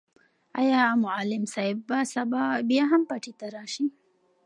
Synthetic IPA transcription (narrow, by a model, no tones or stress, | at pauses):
a̰jɑmʊalɪmsaɪbːasabɑbjɑɦampaʈit̪aɾɑʃi